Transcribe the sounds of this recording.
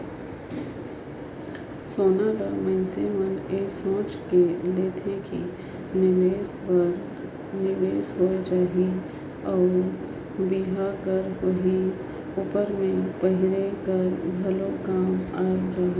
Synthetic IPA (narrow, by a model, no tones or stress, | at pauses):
soːnaɾaməɪseməneːsõːt͡ʃkeleːt̪ʰekḭ | neːsɾ | nɪʋeːsɦoed͡ʒaːɦi | ɔːɾ | biɦakəɾɦoɦi | ʊpəɾmẽpəɦɪɾekəɾbʱɐlokaːmaːed͡ʒaːɦe